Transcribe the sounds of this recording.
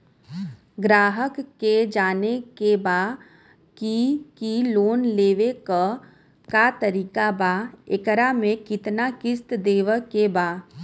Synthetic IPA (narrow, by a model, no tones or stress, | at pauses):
ɡɾaːɦəkːed͡ʒaːnekebaː | kikiloːnleːʋekə | kat̪əɾiːkabaɪkəɾamẽkɪt̪nakɪst̪d̪eːʋəkebaː